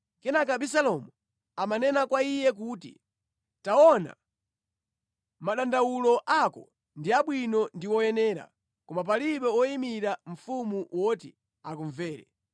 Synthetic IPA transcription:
kɛnakaɓisalɔmu | amanɛnakwaijɛk̬utḭ | taɔna̰ | maɗandawulɔʔakɔ̰ | ndiaɓwinɔndiwɔjɛnɛːɾa̰ | kɔmap̬aliɓɛwɔimiɾaɱ̩fumuwʔɔti | akuɱvɛːɾɛ̰

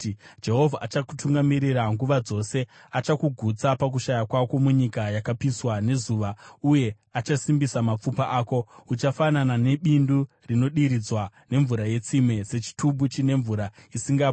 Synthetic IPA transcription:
d͡ʒe̞ɦo̞vʱaʔat͡ʃaku̥tuŋɡamiɾiɾaŋɡuʋad͡zo̞se̞ | at͡ʃakuɡʱut͡sapak̬uʃajakwako̞muɲikajakapiswane̞zuːʋauje̞ | at͡ʃasimbisamap͡fupaʔaːko̞ut͡ʃafananane̞ɓindu | rino̞ɗiɾid͡zwane̞ɱvuɾaje̞t͡simwe̞se̞t͡ʃi̥tʰubut͡ʃine̞ɱvuɾaisiŋɡap

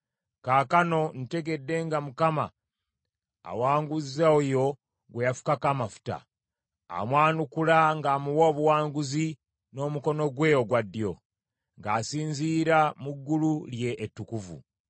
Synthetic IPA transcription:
kaːkano̞nite̞ɡe̞dːe̞ŋɡamukama̰ | waːŋɡuzaojo̞ | ɡwejafu̥kakamafu̥ta̰ | a̰mwaːnukulaŋɡaːmuwo̞ːβuwaːŋɡuzi | no̞ːmuko̞no̞ɡweːjo̞ɡwadːjo̞ | ŋɡaːsiːnziːɾamuɡːululje̞ʔːtːukuvṵ

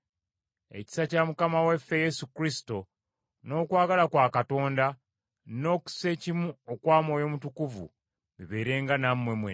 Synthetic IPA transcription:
e̞̰ci̥sacamukamawefːe̞je̞sukɾisi̥to̞ | no̞ːkwaːɡalakwaːkato̞ːnda | no̞ːku̥sse̞ːcimuokwaːmo̞ːjo̞mutukuvṵ | βiβe̞ːɾe̞ːŋɡanamːwe̞mwe

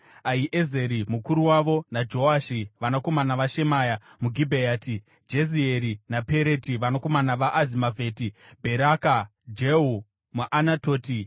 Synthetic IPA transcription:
aiʔeze̞ɾimukuɾuwaʋo̞nad͡ʒo̞aʃiʋanoko̞manaʋaʃe̞maːja | muɡʱibʱeaːtʰi | d͡ʒezieɾinape̞ɾe̞tiʋanoko̞manaʋaʔazimavʱe̞ːtibʱe̞ɾaka | d͡ʒeu | muʔanato̞ːti

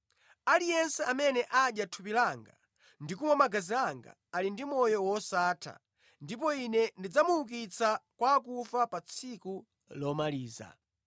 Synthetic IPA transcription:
alijɛnsɛamɛnɛʔaɗjatʰupilaŋɡa̰ | ndik̬umwamaɡaziaŋɡa̰ːlindimɔjɔwɔsaːtʰa̰ | ndip̬ɔinɛndid͡zamuuk̬it͡sakwak̬ufapat͡sʰiku | lɔmaliːza̰

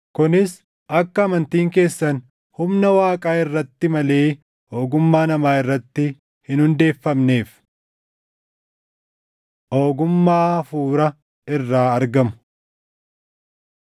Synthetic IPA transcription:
kʊnɪs | ʔɐkːɐɐmɐnt̪iːŋke̞ːsːɐn | hʊmnɐwaːkʼaːɪrːɐt̪ːɪmɐle̞ː | o̞ːɡʊmːaːnɐmaːɪrːɐt̪ːɪ | hɪnhʊnd̪e̞ːfːɐmne̞ːf | ʔoːɡʊmːaːfuːɾɐ | ɪrːaːɐɾɡɐmʊ̥

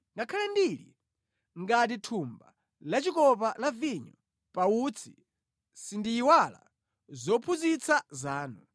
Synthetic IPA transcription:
ŋɡakʰalɛndilḭ | ŋɡat̬itʰumba̰ | lat͡ʃikɔpalaviɲɔ̰ | paut͡sʰi | sindiːwala̰ | zɔpʰuzit͡sʰazaːnu

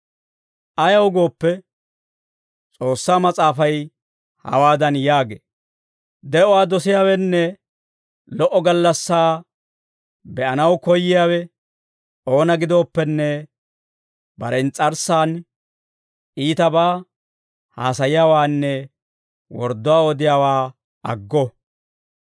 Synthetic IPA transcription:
ʔɐjɐwʊɡo̞ːpːɛ | t͡sʼo̞ːsːaːmɐt͡sʼaːfɐj | hɐ̰waːd̪ɐnjaːɡeː | d̪ɛʔɔwaːd̪ɔsɪjaːwɛnːɛ | lɔʔɔɡɐlːɐsːaː | bɛʔɐnɐwkɔjːɪjaːwɛ | ʔo̞ːnɐɡɪd̪o̞ːpːɛnːɛ | bɐɾɛnt͡sʼɐɾsaːn | ʔiːt̪ɐbaː | haːsɐjɪjaːwaːnːɛ | wɔɾd̪ːɔwaːod̪ɪjaːwaː | ɐɡːɔ

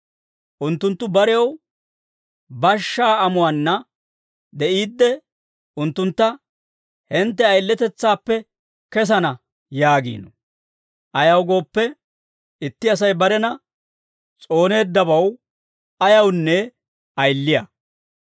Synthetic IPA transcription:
ʔʊnt̪ːʊnt̪ːʊbɐɾɛjɐw | bɐʃːaːɐmʊwanːɐ | d̪ɛʔiːd̪ːɛ | ʊnt̪ːʊnt̪ːɐ | hɪnt̪ːɛɐjlːɛt̪ɛt͡sːaːpːɛ | kɛs̬ɐnɐ | jaːɡḭːnɔ | ʔɐjɐwɡo̞ːpːɛ | ɪt̪ːɪɐs̬ɐjbɐɾɛnɐ | t͡sʼo̞ːne̞ːd̪ːɐbɐw | ɐjɐwnːɛ | ɐjlːɪjɐ

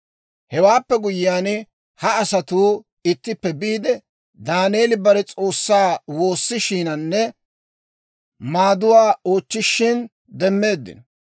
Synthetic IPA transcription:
hɛwaːpːɛɡʊjɪjaːn | hɐɐsɐt̪uː | ɪt̪ːɪpːɛbiːd̪ɛ | d̪aːneːlɪbɐɾɛt͡sʼo̞ːsːaːwo̞ːsːɪʃiːnɐnːɛ | maːd̪ʊwaːo̞ːt͡ʃːɪʃːɪn | d̪ɛmːe̞ːd̪ːɪ̰n

